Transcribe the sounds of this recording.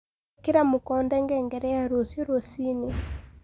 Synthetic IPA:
kiɾamukɔndɛŋɡɛːŋɡɛɾɛjaɾosioɾosine

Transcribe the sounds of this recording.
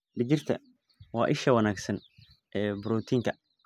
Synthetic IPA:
ɖɪɡɪrt̪ʰɐ̰ | wɑːʔɪʃɐwɐnaːɡsɐn | ʔɛːbʊɾɔːt̪ʰiːŋkʰɐ

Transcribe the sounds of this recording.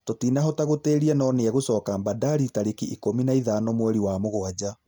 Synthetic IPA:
totiːnaɦɔtaɣoteːɾiɛnɔneɛɣosɔːkambadaɾitaɾekiʔikominaiðanɔmwɛɾiwamoɣoad͡ʑa

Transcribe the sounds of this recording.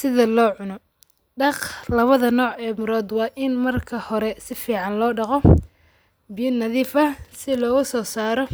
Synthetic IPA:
sɪðɐlɔːʕʊnɔ | ɖɑqlɐβɐðɐnɔːʕɛːmʊɾɔːd̪wɑːʔɪnmɐrkʰɐhɔɾɛsɪfiːʕɑnlɔːɖɑqɔ | bijɐnːɐðiːfɐsɪlɔːɣʊsɔːsaːɾɔ

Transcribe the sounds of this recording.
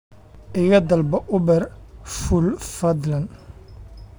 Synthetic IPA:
ʔɪɣɐd̪ɐlbɐʔʊbɛrfʊlfɐd̪lɐn

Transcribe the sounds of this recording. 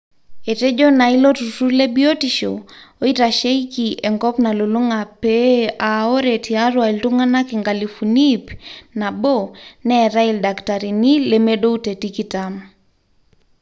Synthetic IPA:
eted͡ʒonailotusuɾlebiotiʃo̰oitaʃeikiʔɛŋkɔpnaluluŋapeaoɾetiaɾwailtuŋanakiŋɡalifunipnabonɛɾaildaktaɾinilemeɗoutetikitam

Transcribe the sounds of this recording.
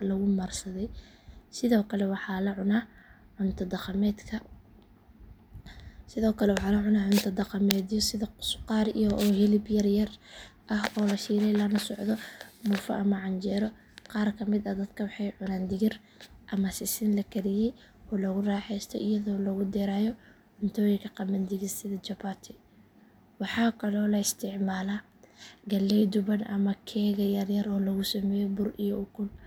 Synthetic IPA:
lɐɣʊmɐrsɐðɛj | sɪðɔːkʰɐlɛwɑħɑːlɐʕʊnɐ | ʕʊnt̪ʰɐd̪ɐqɑmɛːd̪kʰɐ | sɪðɔːkʰɐlɛwɑħɑːlɐʕʊnɐʕʊnt̪ʰɐd̪ɑqɑmɛːd̪jɔsɪðɐsqɑːɾijɔʔɔːhɪlɪbjɐrjɐrʔɐhɔːlɐʃiːɾɛjlɐnɐsɔʕd̪ɔmʊfɐ̰ʔɐmɐʕɑnt͡ʃɛːɾɔ | qɑːrkʰɐmɪd̪ɐd̪ɐd̪kʰɐwɑħɑjʕʊnaːnd̪ɪɣɪr | ʔɐmɐsɪsɪnlɐkʰɐɾɪjɛj | ɔːlɐɣʊraːħɛjst̪ʰɔ̰ʔɪjɐðɔːlɐɣʊd̪ɛːɾaːjɔ | ʕʊnt̪ʰɔːjɪkʰɐqɑmɐnd̪ɪɣɪsɪðɐt͡ʃɐbaːt̪ʰɪ | wɑħɑːkʰɐlɔːlɐɪst̪ʰɪʕmaːla | ɡɐlːɛjd̪ʊβɐnʔɐ̰mɐkʰɛːɣɐjɐrjɐɾɔːlɐɣʊsɐmɛːjɔbʊrḭjɔʔʊɡʊl

